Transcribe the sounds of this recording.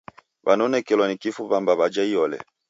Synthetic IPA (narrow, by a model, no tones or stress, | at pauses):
βanɔnɛkɛlwanikifuβambaβad͡ʒaijɔlɛ̰